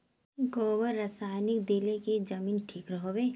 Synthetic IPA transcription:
ɡɔːwəɾːɐsaːɪnɪkd̪eleked͡ʒɐmiːnʈʰiːkɾɐɦoːbeː

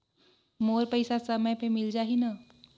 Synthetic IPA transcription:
moːɾpəɪsasɐməjpemɪld͡ʒaːɦina

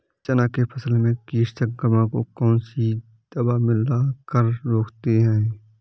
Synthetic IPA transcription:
t͡ʃənakepʰɐsəlmẽkiːʃt̪ək̚ɡəmãkokɔːnsi | d̪̥ɐbamɪlakəɾɾoːkʰt̪eɦɛ̃ː

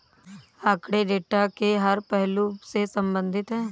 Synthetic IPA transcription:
aːkɽeɖeːʈakeɦɐɾpɛɦlusesɐ̃mbə̃nd̪ʱɪt̪ɦɛ̃ː

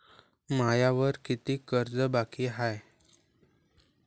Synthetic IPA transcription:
majaʋəɾkit̪iːkəɾd͡zəbakiːɦaj

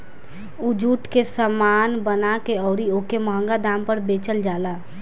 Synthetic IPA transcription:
ud͡ʒuːʈkesəmaːnbənakeɔːɾioːkeməɦə̃ŋɡad̪aːmpəɾbeːt͡ʃəld͡ʒaːla

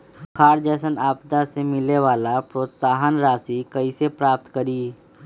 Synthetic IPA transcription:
kʰaːɾd͡ʒəːsənaːpt̪asemɪleʋaːlapɾoːt̪saːɦənɾaːsikəisepɾaːp̚t̪kəɾiː

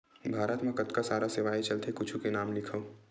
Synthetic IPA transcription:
bʱaːɾət̪mẽkɐt̪kasaːɾaseʋaːit͡ʃɐlt̪ekʊt͡ʃʰukenaːmlɪkʰəo

